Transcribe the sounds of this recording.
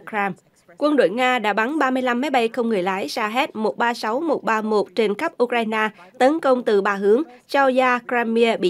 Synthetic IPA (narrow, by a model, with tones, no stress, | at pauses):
kaː˧m | kwə˧nɗo̰˧˨jŋaː˧ɗa̰ː˧˥ɓa˨˦nɓaː˧mɨ˧əjla˧mːa˨˦jɓa˧jxə˧wŋ͡mŋɨ˨˩əjlaː˨˦jsaː˧ɦɛ˦˥t̚mo˨˩t̚ɓaː˧sa˨˦wmo˨˩t̚ɓaː˧mo˨˩t̚t͡ɕe˧nxə˦˥p̚ʔu˧kɾaː˧jnaː˧ | t̪ə˨˦nkə˧wŋ͡mt̪ɨ˨˩ɓaː˧˩ɦɨ˨˦əŋ | t͡ɕɔ˧zaː˧kzɛ˧mi˧əɓḭ˧